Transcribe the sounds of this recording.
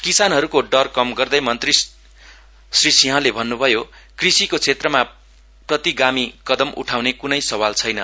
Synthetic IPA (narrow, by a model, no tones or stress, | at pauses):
kisanɦʌɾukoɖʌrkʌmɡʌrd̪ʌjmʌnt̪ri | srisiɦʌ̃lebʱʌnːubʱʌjo | krisikot͡sʰet̪rʌma | prʌt̪iɡamikʌd̪ʌmʔṵʈʰawnekunʌjsʌwalt͡sʰʌjnʌ